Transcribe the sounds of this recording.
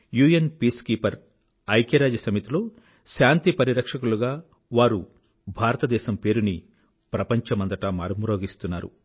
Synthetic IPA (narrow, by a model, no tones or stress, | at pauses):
juːjenpiːskiːpɐɾ | ɐjkɐɾaːd͡ʒɐsɐmit̪iloː | ʃaːnt̪ipɐɾiɾɐkʂɐkuluɡaː | ʋaːɾu | bʱaːɾɐt̪ɐd̪ɛːʃɐmpe̞ːɾuni | pɾɐpɐɲt͡ʃɐmɐnd̪ɐʈɐma̰ːɾmuɾoːɡist̪unːaːɾṵ